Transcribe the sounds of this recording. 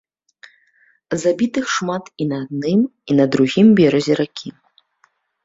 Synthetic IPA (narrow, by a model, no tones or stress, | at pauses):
zabʲit̪ɨxʂmat̪inɐad̪̚nɨminɐd̪ɾuɣʲimbʲɛɾɐzʲɛɾakʲʰi